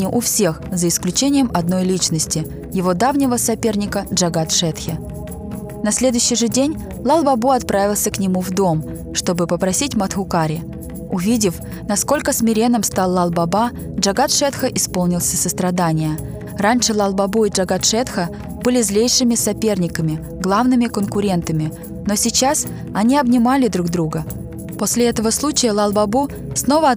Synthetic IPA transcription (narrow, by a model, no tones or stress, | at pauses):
nʲɪʔʊfsʲe̞xzəɪsklʲʉt͡ɕenʲɪjəmɐd̪̚no̞jlʲit͡ɕnəsʲtʲɪ | jɪvo̞d̪avnʲɪvəsɐpʲe̞rnʲɪkəʐɐɡat̪ʂɛt̪xʲɪ | nɐsʲlʲe̞d̪ʊɕːɪjʐɨdʲenʲ | lˠalˠbɐbuɐt̪pɾavʲɪlˠsʲəknʲɪmuvd̪o̞m | ʂt̪o̞bɨpəpɾɐsʲitʲmɐt̪xʊkaɾʲɪ | ʊvʲidʲɪf | nɐsko̞lʲkəsmʲɪɾʲe̞nːəmst̪alˠːalˠbɐba | dʐɐɡat̪ʂɛt̪xəʔɪspo̞lˠnʲɪlˠsʲəsəst̪ɾɐd̪anʲɪjə | ranʲʂɨlˠalˠbɐbuɪʐɐɡat̪ʂɛt̪xə | bɨlʲɪzlʲejʂɨmʲɪsɐpʲe̞rnʲɪkəmʲɪ | ɡlˠavnɨmʲɪkənkʊɾʲe̞nt̪əmʲɪ | no̞sʲɪt͡ɕas | ɐnʲiɐbnʲɪmalʲɪd̪ɾuɡd̪ɾuɡə | po̞sʲlʲɪɛt̪əvəslˠut͡ɕɪjəlˠalˠbɐbu | sno̞və